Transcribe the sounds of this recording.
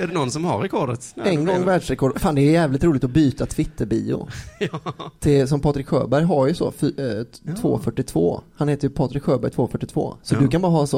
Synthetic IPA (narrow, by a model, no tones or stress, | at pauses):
æɖɛnɔnsɔmha̰ɾɛkʰɔɖət̪ɛnɡɔŋːvæːɖʂɾɛkʰɔːɖfaːnd̪ɛːjæːvlɪt̪ɾuːlɪt̪ɔbyːt̪at̪ʰvɪt̪ʰːəɾbiːʊ̰ | t̪ʰɪls̬ɔmpʰɑːt̪ɾɪkɧø̰ːbæɾjɦaɾjɵsɔ̰ft̪ʰvo̰ːfœʈːɪt̪ʰv̥o̰ːhanheːt̪əɾjɵpʰɑːt̪ɾɪkɧøːbæɾjt̪ʰvoːfœʈːɪt̪ʰvo̰ːsɔd̪ɵkʰanbɑːɾaɦɑːɛnsɔ